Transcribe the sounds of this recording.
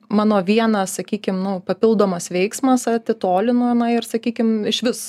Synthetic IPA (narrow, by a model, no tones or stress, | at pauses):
mɑːnoːʋʲiɛnɐsɐkʲiːkʲɪmnʊpɐpʲɪlˠd̪oːmɐsʋʲɛɪksmɐsɐt̪ʲɪt̪oːlʲɪnoːɪnɐɪɾsɐkʲiːkʲɪmɪʃʲʋʲɪs